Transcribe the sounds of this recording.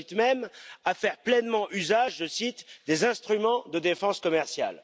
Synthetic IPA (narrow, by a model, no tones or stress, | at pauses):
it̪mɛmafɛʁplɛnmɑ̃ʔyzaʒːəsit̪d̪ezɛ̃st̪χymɑ̃d̪əd̪efɑ̃skɔmɛʁsja̰l